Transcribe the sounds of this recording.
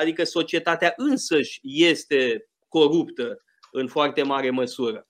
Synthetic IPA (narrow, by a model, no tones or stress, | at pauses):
ad̪ikəso̞t͡ʃie̞t̪at̪eaʔɨnsəʃʲje̞st̪e̞ | ko̞ɾupt̪ə | ɨnfoart̪e̞maɾe̞məsuɾə